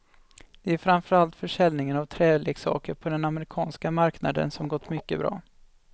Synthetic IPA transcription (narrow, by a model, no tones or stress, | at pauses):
d̪̥ɛæɾfɾanfœɾalt̪fœʂɛlnɪŋənavt̪ʰɾɛːleːksɑ̰ːkəɾpʰɔd̪ɛnaməɾɪkʰɑːnskamaɾkna̰d̪ə̰nsɔmɡɔt̪ːmʏkːəbɾɑ̰ː